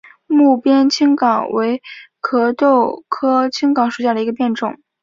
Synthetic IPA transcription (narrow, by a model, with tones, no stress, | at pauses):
mu˥˩pjɛ˥nt͡ɕʰi˥ŋkɑ˨˩˦ŋwe˧˥ɪkʰɤ˧˥t̪o˥˩ʊkʰɤ˥t͡ɕʰi˥ŋkɑ˨˥ŋʂu˨˩ɕja˥˩d̪ə˩i˧˥ɡə˧pjɛ˥˧nʈ͡ʂʊ̰˨˩˦ŋ